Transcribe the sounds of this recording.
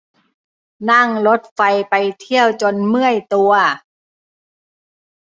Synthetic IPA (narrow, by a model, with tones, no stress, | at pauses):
na˥˩ŋlo˦˥t̪̚fa˧jpa˧jt̪ʰi˥˩əwt͡ɕoː˨˧nmɯ˥˩əjt̪u˧ɐ